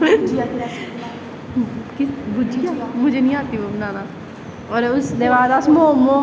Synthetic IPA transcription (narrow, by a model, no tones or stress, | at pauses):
kɪbud͡ʒiamʊd͡ʒʱeːnĩːaːt̪iːʋobənaːnaː | ɔːɾʊsd̪eʋaːd̪aːsmoːmõː